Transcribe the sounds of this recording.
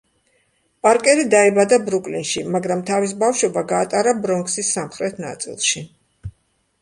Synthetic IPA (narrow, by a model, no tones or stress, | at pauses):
pʼaɾkʼɛɾid̪aɛbad̪abɾukʼlinʃimaɡɾamt̪ʰavis̬bafʃwɛbaɡaːt̪ʼaɾabɾɔŋksisːamχɾɛt̪ʰna̰t̪sʼḭlˠʃi